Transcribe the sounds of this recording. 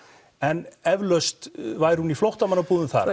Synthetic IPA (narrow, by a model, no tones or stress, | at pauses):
ɛnɛvlœst̪vajɾ̥huniflowht̪amanːapuːðʏmθa̰ɾ